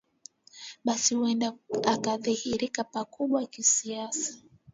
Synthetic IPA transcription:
ɓasihuɛndaakaðihiɾikapakuɓwakisiasḁ

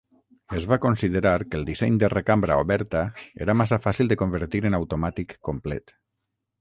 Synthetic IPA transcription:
əzβakonsiðəɾaɾkəlˠd̪isɛɲd̪ərekambɾaoβɛɾt̪aḛɾamas̬afasilˠd̪əkombəɾt̪iɾənawt̪omat̪ikːomplɛt̪

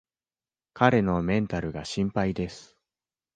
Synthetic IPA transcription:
kaɾe̞no̞mẽ̞nt̪aɾɯ̟ɡaɕĩmpaid̪e̞sɨ̥

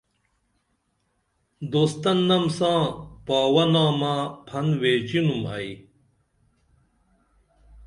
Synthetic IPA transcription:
d̪oːst̪ɐnːɐmsãːpaːwɐnaːmapʰɐnweːt͡ɕinumɐ̰i

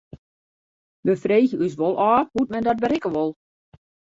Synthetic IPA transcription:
ʋəfreːɣəys̬ʋɔlˠʔɔːhut̚mɛndɔt̚bəɾɪkəʋɔlˠ

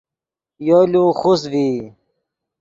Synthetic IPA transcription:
joːluxusvi

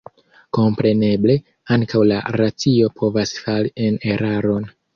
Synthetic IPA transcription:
ko̞mpɾe̞ne̞ble̞ | aŋkawla̰ɾat͡sio̞pʰo̞vasfaɾiene̞ɾaɾo̞n

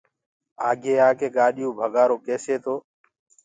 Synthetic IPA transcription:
aːɡʱeːaːkeːɠaːɗɪjũːbʱəɠaːɾoːkeːseːt̪ʰoː

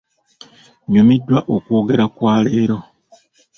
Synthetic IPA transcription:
ɲumidːwaʔokwo̞ːɡe̞ɾakwaːle̞ːɾo̞

